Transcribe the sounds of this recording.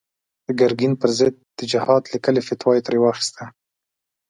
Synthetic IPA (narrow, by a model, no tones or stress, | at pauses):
d̪̥əɡaɾɡinpəɾzɪd̪̚ːəd͡ʒɪhɑd̪likəlefɪt̪wɑjet̪ɾewɑxi̥st̪a